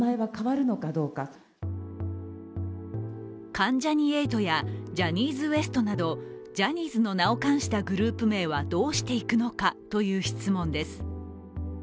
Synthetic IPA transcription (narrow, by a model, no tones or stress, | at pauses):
aeβakaβaɾɯ̟no̞kad̪o̞ːka | kãɲ̟d͡ʑaɲ̟ie̞ːt̪o̞jad͡ʑaɲ̟iːzɨβe̞sɨ̥t̪o̞nad̪o̞ | d͡ʑaɲ̟iːzɨno̞nao̞kãɰ̃ɕi̥t̪aɡɯ̟ɾɯ̟ːpɯ̟me̞ːβad̪o̞ːɕi̥t̪e̞ikɯ̟no̞kat̪o̞jɯ̟ːçi̥t͡sɨmõ̞nd̪e̞sɨ̥